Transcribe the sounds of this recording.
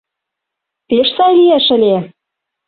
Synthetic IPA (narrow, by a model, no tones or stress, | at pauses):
peʃsɑjlijæʃɘ̆lʲe